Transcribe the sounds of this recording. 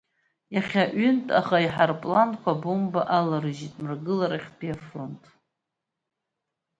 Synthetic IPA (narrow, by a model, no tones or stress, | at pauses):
jaχʲaʔʏntʼaχaiħarpʼlankʷʰabumbaʔalaɾɨʒitʼmɨrɡɨlaɾaχʲtʰʼiafro̞ntʼ